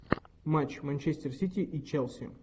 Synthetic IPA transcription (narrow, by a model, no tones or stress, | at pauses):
mat͡ɕmanʲt͡ɕesʲt̪ʲɪrsʲit̪ʲiʔit͡ɕɛlˠsʲḭ